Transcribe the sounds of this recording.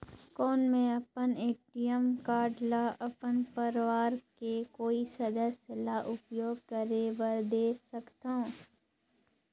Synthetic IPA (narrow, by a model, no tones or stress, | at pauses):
kɔːnmẽɐpəneːʈijəmkaːɖlaʔɐpənpəɾʋaːɾkekoːisɐd̪əsjəlaʔʊpjoːɡ̚kəɾeʋəɾd̪eːsɐkt̪aũ